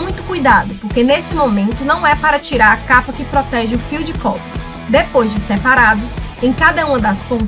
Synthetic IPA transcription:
mũj̃t̪ʊ̥kujd̪ad̪ʊpoɾkenesɪmomẽnt̪ʊnɐ̃w̃ɛpaɾɐt͡ʃiɾaɾɐkapɐkɪpɾɔt̪ɛʒɪʊfiwd͡ʒɪkɔpɾɐ | d̪epojzd͡ʒɪsepaɾad̪ʊsẽj̃kad̪ɐũmɐ̃d̪ɐspõ

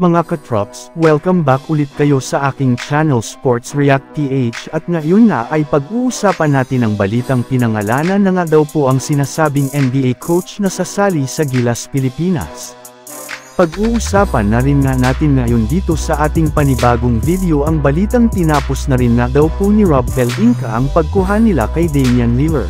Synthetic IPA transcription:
mɐŋakɐt̪ɹapswɛlkɐmbakʊlɪt̪̚kɐjo̞sɐʔaːkɪŋt͡ʃanɛlspoɹt̪sɹiak̚t̪ːiʔejt͡ʃɐt̪̚ŋɐjonːa̰ʔɐjpɐɡ̚ʔuːʔʊsaːpɐnːaːt̪ɪnɐŋbɐliːt̪ɐŋpɪnɐŋɐlaːnɐnːɐŋad̪ɐwpo̞ʔɐŋsɪnaːsaːbɪŋʔɛnbiʔejkʰowt͡ʃnɐsɐsaːlisɐɡilɐspɪlɪpiːnɐ̰s | pɐɡʔuːʔʊsaːpɐnːɐɾɪnŋanaːt̪ɪnŋɐjo̞nd̪iːt̪o̞sɐʔaːt̪ɪŋpɐnɪbaːɡoŋvid̪ɛo̞ʔɐŋbɐliːt̪ɐŋt̪ɪnaːposnɐɾɪnŋad̪ɐwponiɹabɛlʔiŋkɐʔɐŋpɐɡ̚kʊɦanɪla̰kɐjd̪ɛnmjɐnlivɛɹ

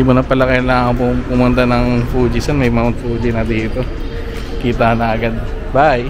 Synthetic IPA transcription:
ɪmʊnɐpɐlɐkɛlaŋkopʊpʊmʊnt̪ɐnɐŋpuːd͡ʒɪsɐnmɐjmɐmʊn̚puːd͡ʒɪnɐd̪iːt̪o̞ | kiːt̪ɐnɐɐɡɐd̪̚baʔaj

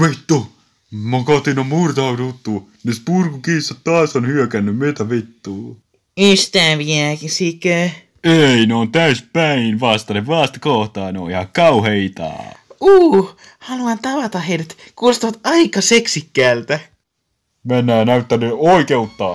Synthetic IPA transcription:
ʋit̪ːu | mɑkɑt̪ːinommurt̪ɑɑt̪ut̪ːuːnispurkukiːsːɑt̪oɑːˑsonhyøkænːymmet̪æʋit̪ːuː | yst̪æːʋiækisikø | eineont̪æyspæinʋɑst̪ɑneʋɑst̪koht̪ɑːneo̰ihɑkɑuheit̪ɑ̰ːuː | hɑluɑnt̪ɑʋɑt̪ɑheiɾæt̪ | kust̪ɑʋɑt̪ɑikɑseksikːæːlt̪æ | menːæːnæyt̪ːænːyoikeut̪ːɑː

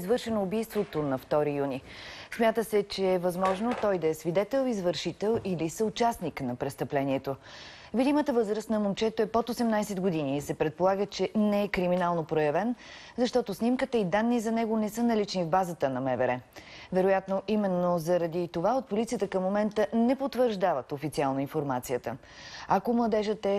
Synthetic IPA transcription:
zvɤɾʃɛnoːbijst̪vot̪onɐft̪ɔɾijunismʲjat̪əsɛt͡ʃɛːvɐzmɔʒnot̪ɔjd̪ɐɛsvid̪ɛt̪ɛlˠizvəɾʃit̪ɛlˠilisəʊt͡ʃasniknɐpɾɛst̪əplɛnʲiɛt̪o | vid̪imət̪əvɤzɾəst̪nɐmomt͡ʃɛt̪oɛpot̪osɛmnajsɛd̪ɡod̪inisɛpɾɛt̪̚polˠaɡət͡ʃɛnɛɛkɾiminalˠnopɾojɐvɛn | zɐʃt̪ɔt̪osnimkət̪əid̪anːizɐnɛɡonɛsɤnɐlit͡ʃnivbazət̪ənɐmɛvɛɾɛvɛɾojat̪noʔimɛnːozɐɾɐd̪it̪ovaot̪̚polʲit̪sijət̪əkəmːomɛnt̪ənɛpot̪vəɾʒd̪avət̪ofit̪sialˠnoinfoɾmat̪sijət̪ə̰ | ɐkomlˠəd̪ɛʒət̪ɛ

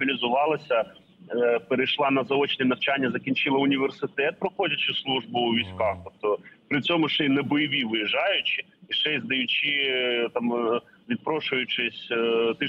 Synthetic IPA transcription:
ilʲizʊʋɑlˠɐsʲɐ | peɾejʃlˠɑnɐzɐɔt͡ʃnʲɛnɐwt͡ʃanʲːɐzɐkʲinʲt͡ʃɪlˠɐʊnʲiʋʲersɪt̪ɛt̪̚pɾɔxɔdʲɐt͡ʃɪslˠuʒbʊʊʋʲisʲkɑxt̪ɔp̚t̪ɔpɾɪt͡sʲɔmʊʃɛjnɛbɔjɪʋʲiʋɪjɪʒɑjʊt͡ʃɪ | iʃɛjʲzd̪ɐjʊt͡ʃʲit̪ɑm | ʋʲid̪̚pɾɔʃʊjʊt͡ʃɪsʲt̪ɪ

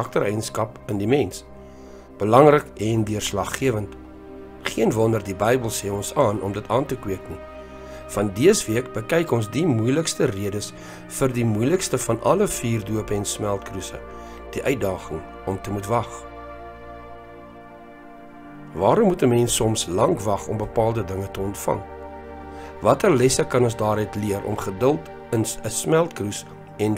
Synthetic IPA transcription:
ɐk̚tərɛjənskɐpəndimɛns | b̥əlɐŋrəkɛndyərslɐχːiəvənt | χiənvɔndərdibɛjbəlˠseːɔnsɑːnɔmdətɑːntəkwiəkni | fɐndiəsviəkbəkɛjkɔnsdimujləkstəriədəs | fərdimujləkstəfɐnʔɐ̰ləfiːrduəpəɛnsmælˠtkrusə̰ | d̥iʔœɥt̚dɑːχəŋ | ɔmtəmutvɐχ | vɑːɾɔmːutəmɛnsɔmslɐŋkvɐχɔmbəpɑːlˠdədəŋətəɔntfɐ̰ŋ | vɐtərlɛsəkɐnɔnsdɑːɾœɥtliəɾʔɔ̰mχədəlˠt | ənəsmælˠtkrus | ɛn

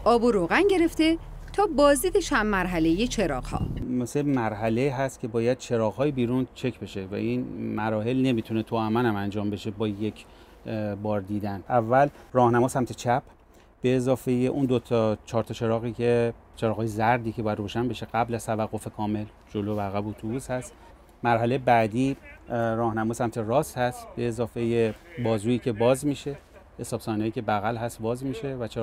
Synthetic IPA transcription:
ʔɒːboɾoɣænɟe̞ɾe̞ft̪e | t̪ʰɒːbɒːzd̪iːd̪et͡ʃʰæmːæɾɦæle̞jet͡ʃʰe̞ɾɒːɣhɒ̰ːmesemæɾɦæle̞iːɦæst̪̚kʲʰe̞bɒːjæd̪̥̚t͡ʃʰe̞ɾɒːɣɦɒːjibiːɾunt͡ʃʰe̞cʰbe̞ʃe̞væ̰ʔinmæɾɒːhe̞lne̞mit̪ʰune̞t̪ʰuæmænæmænd͡ʒɒːmbe̞ʃebɒːje̞cʰ | bɒːɾd̪iːd̪ænʔævːælrɒːhnæmɒːsæmt̪ʰet͡ʃʰæpʰ | b̥e̞ːzɒːfe̞jeʔund̪ot̪ʰɒt͡ʃʰɒːɾt̪ʰɒt͡ʃʰe̞ɾɒːɣiːcʰe̞ | t͡ʃʰeɾɒːɣɒːjezæɾd̪iːkʰʲebɒːjæd̪roːʃænbe̞ʃe̞ɡ̥æblæz̥t̪ʰævæɣːo̞fe̞kʰɒːme̞l | d͡ʒolobæɣæbot̪ʰubuːshæst̪ | mæɾɦælejebæd̪iːɾɒːhnæmɒːsæmt̪ʰe̞rɒːshæst̪be̞ːzɒːfe̞jebɒːzuːiːcʰe̞bɒːzmiːʃe̞ | esɒːbsɒːniɒjiːcʰe̞bæɣælɦæst̪bɒːzmiːʃe̞væt͡ʃʰe

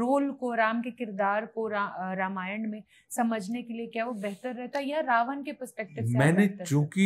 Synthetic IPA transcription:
ɾoːlkoɾaːmkekɪɾd̪aːɾkoɾaɾaːmaːjəɳɖmẽ | sɐməd͡ʒʱnekeliekjaɦʋobɛɦt̪əɾːɛɦt̪aɦɛjaɾaːʋənkepəɾspɛk̚ʈɪmɛ̃ːnekjõːki

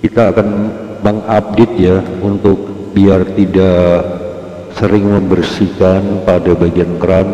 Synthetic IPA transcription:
kit̪aːkan | məŋap̚det̪̚jaunt̪ʊk̚ | biart̪ida | səɾɪŋməmbərsikanpadabaɡiankəɾan

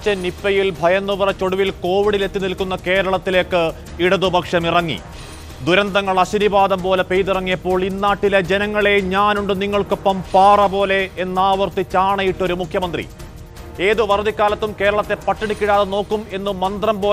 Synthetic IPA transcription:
t͡ɕːɐnipːɐjilbʱɐjɐnːuʋɐrɐt͡ɕo̞ɽuʋilko̞ːʋiɽile̞t̪ːinilkunːɐke̞ːɾɐɭɐt̪ːile̞ːkːɨ | iɽɐðubʱɐkʂɐmirɐŋːḭ | d̪uɾɐnd̪ɐŋːɐɭɐɕinibaːd̪ɐmpo̞ːlepejðirɐŋːijɐpːo̞ːɭinːaːʈːilɐd͡ʑenɐŋːɐɭe̞ɲaːnuɳɖɨniŋːɐɭko̞pːɐmpaːrɐpo̞ːle̞enːaːʋɐrt̪it͡ɕːaːɳɐjiʈːo̞ɾumukʰjɐmɐnd̪rḭ | eːðɨʋɐrɐd̪ikʲːaːlɐt̪ːumke̞ːɾɐɭɐt̪ːe̞pɐʈːiɳikʲːiɽaːðɐno̞ːkːume̞nːɨmɐnd̪rɐmpo̞ː

